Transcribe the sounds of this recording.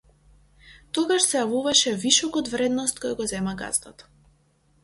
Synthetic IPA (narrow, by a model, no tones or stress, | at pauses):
t̪ɔɡaʃsɛjavuvaʃɛviʃɔkɔd̪vɾɛd̪nɔst̪̚kɔjaɡɔzɛmaɡa̰zd̪at̪